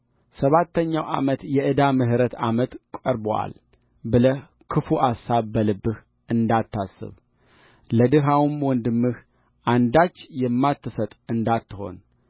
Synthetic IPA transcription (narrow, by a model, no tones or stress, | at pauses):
səβat̪ːəɲːawʔa̰mət̪jɛʔɨd̪amɨɦɾət̪a̰mət̪kʷʼɔɾboa̰l | bɨlə | kʰɨfuʔasːaβbəlɨbːɨh | ʔɨnd̪at̪ːasːɨ̰β | ləd̪ɨɦawɨmwɔnd̪ɨmːɨh | ʔand̪at͡ʃːjɛmːat̪ʰːɨsət̪ʼɨnd̪at̪ːɨho̞̰n